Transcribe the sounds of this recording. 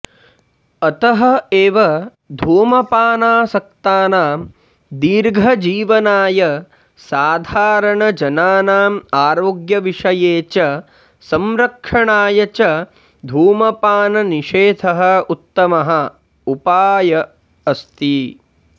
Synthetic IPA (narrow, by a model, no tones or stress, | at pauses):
ɐt̪ɐɦɐ̆eːʋɐ | d̪ʱuːmɐpaːnaːsɐk̚t̪aːnaːm | d̪iːɾɡʱɐd͡ʒiːʋɐnaːjɐ | saːd̪ʱaːɾɐɳɐd͡ʒɐnaːnaːmaːɾoːɡjɐʋiʂɐjeːt͡ʃɐ | sɐmɾɐkʂɐɳaːjɐt͡ʃɐ | d̪ʱuːmɐpaːnɐniʂeːt̪ʰɐɦɐ̆ut̪ːɐmɐɦɐ̆ | upaːjɐː | st̪i